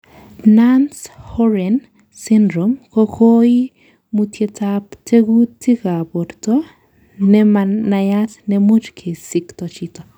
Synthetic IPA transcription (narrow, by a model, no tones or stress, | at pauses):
nanshoɾen | sindɾomkokʰoi | mutjetapteɡutikapoɾto | nɛmanajasnɛmut͡ʃkʰisikt̪ot͡ʃito